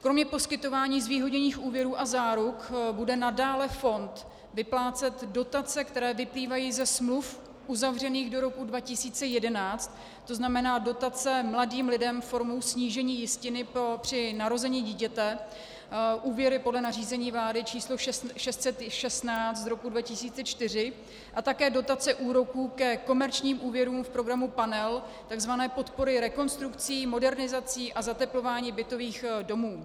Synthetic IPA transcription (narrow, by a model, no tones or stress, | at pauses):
kɾo̞mɲɛpo̞skɪt̪o̞vaːɲiːzviːɦo̞ɲɛɲiːxuːvjɛɾuːʔazaːɾukbudɛnadaːlɛfo̞nt̪ | vɪplaːt͡sɛt̪do̞t̪at͡sɛkt̪ɛɾɛːvɪpliːvajiːzɛsmluf | ʔuzavr̝ɛniːɣdo̞ɾo̞kudvacɪsiːt͡sɛjɛdɛnaːt͡st̪ː | o̞znamɛnaːdo̞t̪at͡sɛmladiːmlɪdɛmfo̞ɾmowsɲiːʒɛɲiːjɪscɪnɪpɾo̞pr̝̥ɪnaɾo̞zɛɲiːɟiːcɛt̪ɛ | ʔuːvjɛɾɪpodlɛnar̝iːzɛɲiːvlaːdɪt͡ʃiːslo̞ʃʃɛst̪sɛt̪ʃɛst̪naːt͡st̪ɾo̞kudvacɪsiːt͡sɛt͡ʃt̪ɪr̝ɪ | ʔat̪akɛːdo̞t̪at͡sɛʔuːɾo̞kuːkɛko̞mɛɾt͡ʃɲiːmʔuːvjɛɾuːmfpɾo̞ɡɾamupanɛl | t̪aɡzvanɛːpo̞t̪po̞ɾɪɾɛko̞nst̪ɾukt͡siːmo̞dɛɾnɪzat͡siːʔazat̪ɛplo̞vaːɲiːbɪt̪o̞viːxdo̞muː